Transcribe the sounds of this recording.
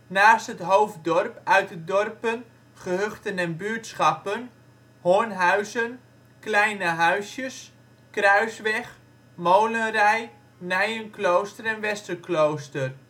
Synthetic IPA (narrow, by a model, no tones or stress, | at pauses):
naːstɦətɦowfdɔrpœɥtədɔrpən | χəɦøχtənɛnbyːtsχɑpən | hoənɦœɥzən | klɛjnəɦœɥsjəs | krœɥsʋɛχ | moːlənrɛj | nɛjənklowstərɛnʋɛstəklowstər